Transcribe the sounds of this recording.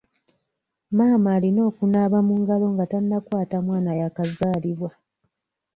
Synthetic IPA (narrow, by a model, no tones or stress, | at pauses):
maːmaːlino̞ːkunaβamuŋɡalo̞ŋɡatanːakwaːtamwaːnajakazaːliβwa